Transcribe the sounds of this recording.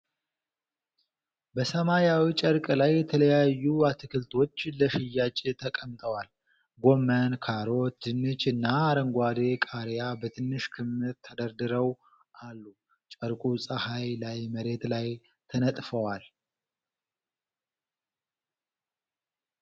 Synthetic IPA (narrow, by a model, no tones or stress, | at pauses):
bəsəmaɾjawit͡ʃʼəɾkʼlajːɛt̪ʰələjajːuat̪ʰɨkʰɨlt̪ʰo̞t͡ʃːləʃɪjːat͡ʃʼt̪ʰəkʼəmt̪ʼəwal | ɡo̞mənkʰaɾo̞t̪ːɨnːɨt͡ʃɨnːaːɾəŋɡʷad̪ekʼaɾjabət̪ʰɨnːɨʃkʰɨmːɨɾt̪ʰəd̪əɾd̪ɨɾəw | ʔalːu | t͡ʃʼəɾkʼusʼəhajlajməɾe̞t̪laj | t̪ʰənət̪ʼfəwal